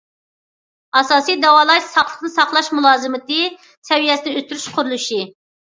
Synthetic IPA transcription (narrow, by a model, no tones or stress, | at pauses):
ɑsɑːsijd̪ɛwɑːlˠɑʃsɑχlˠəqnɨsɑχlˠɑʃmulˠɑːzɨmɨt̪ɨ | sɛwijɛsɪnɪøst̪yɾyʃqʰʊɾulˠuʃi